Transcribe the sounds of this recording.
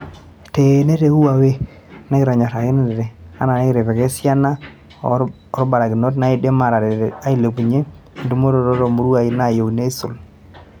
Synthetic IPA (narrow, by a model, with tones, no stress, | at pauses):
te˨ne˦ɾe˦u˦wa˨we˦ | ne˦kɪ˨ɾɔ˨ɲa˨ɾa˨ɣe˦nɛ˦dɛ˨ɾe˨a̰˦na˨ne˦kɾe˨βɛ˨ke˦sja˦na˦ | ɔ˨ɾba˨ɾa˨ɡi˨no˦t̬na˨˦i˦de˦ma˨ɾa˨ɾɛ˨a˦i˦le˨ku˨ɲe˦˨ | ndu˦mo˦ɾo˨ɾo˦ɾo˨mu˦ɾu˦a˨i˦na˨jo˨wne˦su˨l